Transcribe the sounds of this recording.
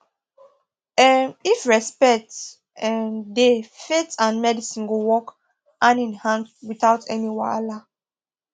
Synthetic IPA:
ɛmifɹɛspɛk̚t | ɛmdefetãnmɛdisĩnɡowɔk | ʔãnĩnhãnwiθaʊtʰɛniwa̰la

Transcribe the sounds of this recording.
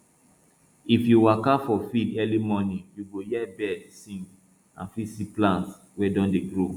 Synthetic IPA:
ifjuwakafɔfidɛlimɔnĩjuɡojɛbɛdsĩŋɡ | ã̰nfisiplãnts | wɛdɔ̃ndeɡɹo

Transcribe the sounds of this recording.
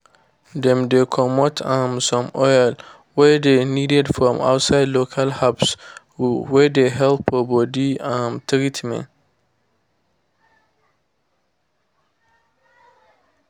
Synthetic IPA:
dɛ̃mdekʰɔ̃mɔtʰãmsɔ̃mɔjl | wɛdeniːdɛdfɹɔ̃ma̰ʊtsaɪdlokʰalhabs | wɛdeɦɛlpʰɔbɔdiãmtʰɾitʰmɛ̰̃n

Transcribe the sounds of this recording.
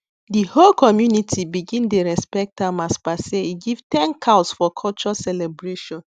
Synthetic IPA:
diholkɔmjunitʰibiɡĩndeɹɛspɛk̚tãmaspaseiɡivtɛ̃nkʰaʊsfɔkʰɔlt͡ʃɔsɛlɛbɹeʃɔ̃n

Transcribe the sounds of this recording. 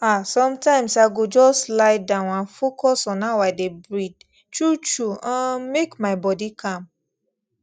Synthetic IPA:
asɔ̃mtãɪ̃msaɡod͡ʒɔslaɪdãʊ̃nãnfokɔsɔ̃nawaɪdebɹid̚ | tɹut͡ʃuãmekmaɪbɔdikʰãm

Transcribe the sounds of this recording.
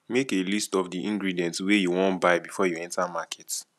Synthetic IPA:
mekelistɔvdiʔĩŋɡɹidiɛ̃ntwejuwɔ̃ntbaɪbifɔjuɛ̃ntamakʰɛt

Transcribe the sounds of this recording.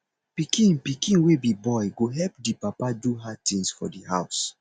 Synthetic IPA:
pikʰĩnpikĩnwebibɔjɡoɦɛlp̚dipapaduɦat̪ĩŋsfɔ̰dihaʊs

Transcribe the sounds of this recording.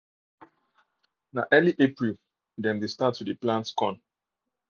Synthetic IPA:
naʔɛliʔepɹil | dɛ̃ndestatʰːudeplãntskɔ̃n

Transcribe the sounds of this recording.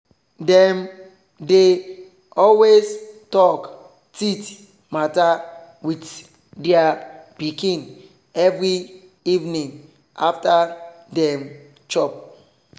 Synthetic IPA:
dɛ̃m | de | ɔlwestɔk | tit | mata | wit | dɛapikĩn | ɛvɾi | ivnĩŋ | afta | dɛm | t͡ʃɔp̚

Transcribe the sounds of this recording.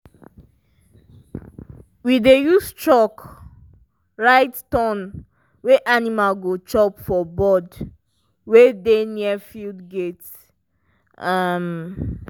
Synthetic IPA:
widejust͡ʃɔk | ɹaɪttɔ̃n | weʔanimalɡot͡ʃɔpfɔbɔd | wedeniɛfildɡet | am

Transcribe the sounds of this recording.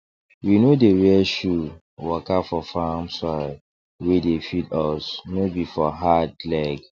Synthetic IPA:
winodeɹiɛʃu | wɔkafɔfamsɔ | wedefidɔsnobifɔɦadlɛɡ

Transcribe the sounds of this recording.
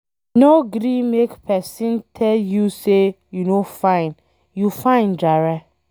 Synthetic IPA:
noɡɾĩmekpʰɛsĩntʰɛljuse | junofãɪ̃n | jufãɪ̃ndaɹɛ

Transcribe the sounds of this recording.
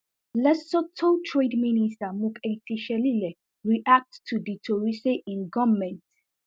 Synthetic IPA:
lɛsɔtʰɔ̃ntʰɹedministamukʰetʰiʃɛlilɛ | ɹiʔak̚ttʰːuditʰoɹiseʔĩnɡɔvmɛ̃nt

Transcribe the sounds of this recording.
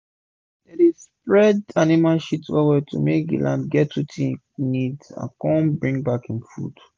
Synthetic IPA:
ɛɾispɹɛdanimalʃitswɛwɛtṵmek̚ɡḭlʔãndɡɛtːutʰi | nidã̰nkɔ̃nbɹĩŋbakĩnfṵd̥

